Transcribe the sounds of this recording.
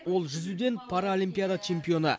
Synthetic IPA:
wo̞lˠʒʏzud̪e̞npʰaɾao̞lʲimpʲijad̪at͡ʃʰe̞mpijo̞nə̰

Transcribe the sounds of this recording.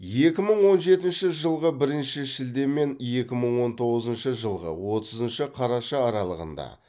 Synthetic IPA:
je̞kʲɪməɴwo̞nʒe̞t̪ɪnʃɪʒəlˠʁəbɪɾɪnʃɪʃɪld̪e̞mːe̞nje̞kʲɪməɴwo̞nt̪ʰo̞ʁəzənʃəʒəlˠʁə̰wo̞t̪əzənʃəqʰɑɾɑʃɑːɾɑlˠəʁə̰nd̪ɑ̰

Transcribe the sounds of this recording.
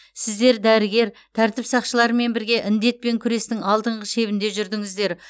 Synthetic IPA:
sɪzd̪e̞ɾd̪æɾɪɡʲe̞ɾ | t̪ʰæɾt̪ɪpsɑqʃəlˠɑɾəme̞nbɪɾɡʲe̞ʔɪnd̪e̞t̪̚pe̞ŋkʲʰʏɾe̞st̪ɪŋɑlˠd̪əɴʁəʃe̞βɪnd̪e̞ʒʏɾd̪ɪŋɪzd̪e̞ɾ

